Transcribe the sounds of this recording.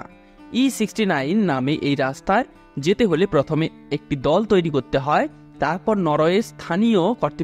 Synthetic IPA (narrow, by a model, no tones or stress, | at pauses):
isiksʈinajnːameʔejɾast̪ʰaeɾ | d͡ʒet̪eɦolepɾɔt̪ʰɔme | ek̚ʈid̪ɔlt̪ojɾikoɾt̪eɦɔe | t̪aɾpɔɾnɔɾɔest̪ʰaniokɔɾt̪i